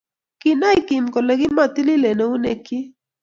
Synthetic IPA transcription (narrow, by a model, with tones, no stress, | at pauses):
ki˨na˦i˦ki˨mkɔ˨le˨ki˦ma˦˨ti˦li˦le˨ne˨u˦ne˨ki˦